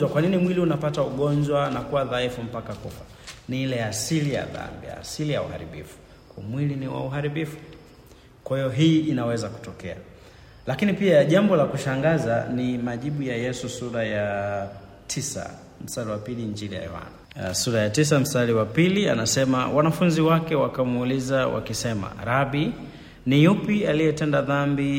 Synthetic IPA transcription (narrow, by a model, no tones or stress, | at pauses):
akwaninimwiliunapatauɠɔɲd͡ʒwanakuwaðaifum̩pakakufa | niilɛasilija̰ða̰mbia̰ːsilija̰uha̰ɾḭɓḭfu̥ | kamwiliniwa̰uɦaɾiɓifu̥ | kwahijɔɦiʔinawɛzaku̥tɔkɛa | lakinipiaʄambɔlakuʃaŋɡazanimaʄiɓujajɛsusuɾaja | tʰisa̰ | m̩staliwapiliɲd͡ʒinija̰ɛ̰wa̰nisuɾajatis̬am̩staliwapilia̰nasɛmawanafunziwakɛwakamulizawa̰kisɛma̰ɾabi | nijupialijɛtɛndaðambi